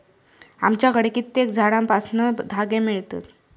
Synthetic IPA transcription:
a̰mt͡ɕjakəɽekit̪ːek̚d͡zʱaɽampasnəd̪ʱaɡemiɭt̪ə̰t̪

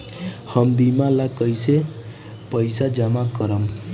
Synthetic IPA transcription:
hʌmbimalakʌjse | pəjsad͡ʒamakʌɾam

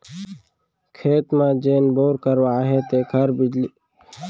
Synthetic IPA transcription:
kʰeːt̪mãːd͡ʒeːnboːɾkəɾʋaːɦeːt̪eːkʰəɾbɪd͡ʒliː

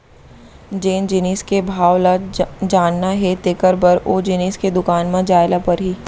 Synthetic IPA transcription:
d͡ʒeːnd͡ʒɪniːskebʱaːwlad͡ʒaːnːaɦɛt̪eːkəɾbəɾoːd͡ʒɪniːsked̪ʊkaːnmãd͡ʒaːɪlapɐɾɦiː

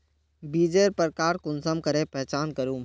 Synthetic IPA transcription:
biːd͡ʒeːɾpəɾkaːɾkʊnsəmkəɾepɛɦt͡ʃaːnkəɾũː

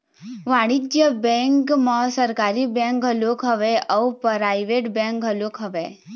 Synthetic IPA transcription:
ʋaɽid͡ʒjəbɛ̃ŋkməɦsəɾkaːɾibɛ̃ŋkɦəlokɦəʋeɔwpɾajʋeʈbɛ̃ŋkɦəlokɦəʋe

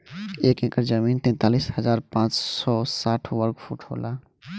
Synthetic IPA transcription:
eːkẽːkəɾd͡ʒəmiːnt̪ɛ̃ːnt̪aːliːshəzaːɾpãːt͡ʃsɔːsaːʈʰʋəɾɡfʰṵːʈho̰ːlaː

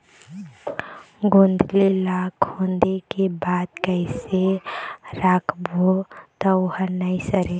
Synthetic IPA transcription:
ɡõːnd̪ʱlelaːkʰõːnd̪ekebaːd̪̚kɛɪse | ɾaːkʰbʱot̪ɔʊhənəisəɾe

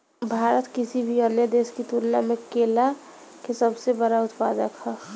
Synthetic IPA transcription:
bʱaːɾət̪kɪsibʱiəɾnəd̪eːskit̪uːɾna̰mẽkeːla | kesəbsebəɽaʊt̪paːd̪əkhɛ

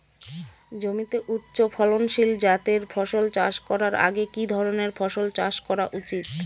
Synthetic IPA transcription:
d͡ʑomit̪eʔutːɕofʰɔlonʃild͡ʑat̪eɾfʰɔʃolt͡ɕaʃkɔɾaɾa̰ɡekid̪ʱɔɾoneɾfʰɔʃolt͡ɕaʃkɔɾaʔut͡ɕit̪

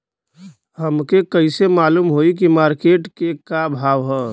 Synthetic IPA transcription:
həmkekəɪsemaːluːmɦoik̬imaːɾkeːʈkekabʱaːʋɦɛː

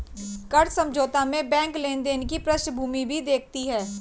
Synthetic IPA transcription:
kɐɽsə̃md͡ʒoːt̪amẽbɛ̃ːŋklẽːnd̪eːnkipɾəʃbʱuːmibʱid̪eːk̚ʰt̪iɦɛː

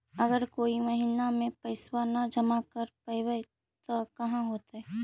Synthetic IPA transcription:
ɐɡəɾkoːimɐɦiːnamẽpɐɪswanad͡ʒɐmakɐɾpɐɪwe | t̪okɐɦãɦoːt̪ɦɛ

